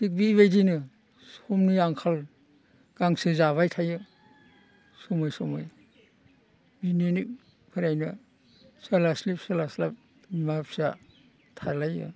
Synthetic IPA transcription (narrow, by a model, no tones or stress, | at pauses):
dik̚biːβajdinɯ | sɔmniaŋkʰal | ɡ̥aŋsɯzaβajtʰajɯ | sɔmajsɔmaj | binionik̚ | pʰɯɾajnɐ | salaslipsalaslap̚ | mapsa | tʰaɾlajɯ̰